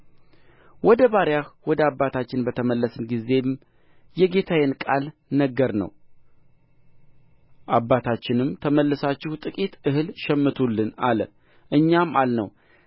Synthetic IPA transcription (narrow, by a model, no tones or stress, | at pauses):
wɔd̪əbaɾjahwɔd̪əabːat̪ʰat͡ʃːɪnbət̪ʰəməlːəsɨnɡize̞m | jɛɡe̞t̪ʰajɛnkʼalnəɡːəɾnə̰w | ʔabːat̪ʰat͡ʃːɪnɨmt̪ʰəməlːɨsat͡ʃːɪhut̪ʼɨkʼit̪ʔɨɦɨlʃɛmːɨt̪ʰulːɨnalə̰ | ʔɨɲːamalnəw